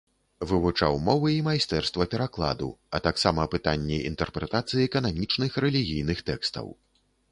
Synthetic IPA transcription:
vɨvut͡ʂa̰wmɔvɨimajst̪ɛrst̪vɐpʲɛɾaklˠa̰d̪ṵɐ̰t̪aksamɐːpɨt̪anʲːɛʔḭnt̪ɛrpɾɛt̪at̪sɨjikɐnamʲit͡ʂnɨxɾɛlʲiɣʲijn̪ɨxt̪ɛkst̪ɐ̰w

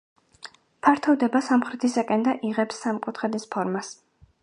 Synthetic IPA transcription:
pʰaɾt̪ʰɔvd̪ɛbasamχɾɛt̪ʰisakʼɛnd̪aʔiʁɛpsːamkʼut̪ʰχɛd̪ispʰɔɾmas

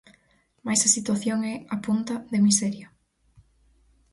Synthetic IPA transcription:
majsɐsit̪waθjoŋɛapunt̪ɐðemisɛɾja

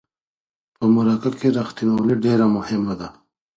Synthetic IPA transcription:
pəmʊɾakakeɾaxt̪inawliɖeɾamʊhɪmːad̪a

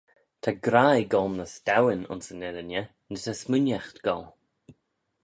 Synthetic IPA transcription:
t̪ʰaɡɾajɡɔlˠnəstawɪnʊ̰nsənɛɾənjə | nətʰasmʊnjaxt̪ɡ̥ɔlˠ

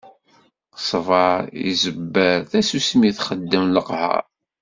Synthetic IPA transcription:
sˤvɑɾḭzəbːəɾθæsusmiθχəd̪ːəmləqhə̰ɾ

